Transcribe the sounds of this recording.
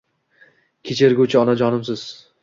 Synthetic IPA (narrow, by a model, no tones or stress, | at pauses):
kʲʰet͡ʃʰeɾɡʲut͡ʃʰɪɒnad͡ʒɒnɪmsɪz̥